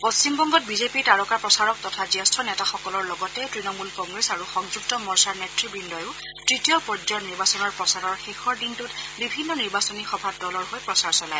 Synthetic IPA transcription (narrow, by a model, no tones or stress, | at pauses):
post͡ʃimbɔŋɡɔt̚bizepiɹtaɹɔkapɹɔsaɹɔk̚tɔtʰaziastʰɔnɛtaxɔkɔlɔɹlɔɡɔtɛtɹinɔmulkɔŋɡɹesaɹuxɔŋzuktɔmɔɹsaɹnɛtɹibindɔjʊ | tɹitijɔpɔd͡ʒɔniɹbasɔnɔɹpɹɔsaɹɔɹxixɔɹdintutbibʱinːɔniɹbasɔnixɔbʱadɔlɔɹɦojpɹɔsaɹsɔlaj